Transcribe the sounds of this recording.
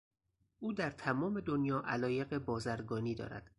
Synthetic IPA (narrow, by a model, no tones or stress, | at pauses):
ʔuːd̪æɾt̪ʰæmɒːme̞d̪onjɒːʔælɒːje̞ɣe̞bɒːzæɾɡɒːniːd̪ɒ̰ːɾæ̰d̪̥